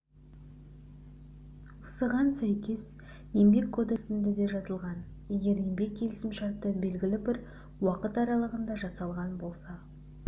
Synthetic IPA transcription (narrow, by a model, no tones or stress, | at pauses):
ʊsəʁɑnsæjkʲe̞s | je̞mbe̞kʰːo̞d̪eksɪnd̪ed̪e̞ʒɑzəlˠʁɑn | je̞ɡʲe̞ɾje̞mbe̞k̚ʲʰːe̞lɪsɪmʃɑɾt̪ːəbe̞lɡʲɪlɪbɪɾ | wɑqət̪ɑɾɑlˠəʁənd̪ɑʒɑsɑlˠʁɑnbo̞lˠsɑ